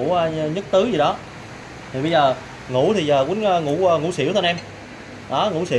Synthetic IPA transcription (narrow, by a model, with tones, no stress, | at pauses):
ə˧ɲə˦˥t̚t̪ɨ˨˦zi˨˩ɗɔ˨˦ | t̪ʰi˨˩ɓə˧jzəː˨˩ | ŋṵ˧˥t̪ʰi˨˩zəː˨˩ki˨˦nəː˧ŋṵ˧˥˧ŋṵ˧˥sḭ˧˦əwt̪ʰnʔɛ˧m | ɗɔ˨˦ŋṵ˧˥sḭ˧˦